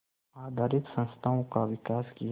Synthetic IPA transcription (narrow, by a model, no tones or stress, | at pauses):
aːd̪ʱaːɾɪt̪sə̃nst̪ʰaːõkaʋɪkaːskij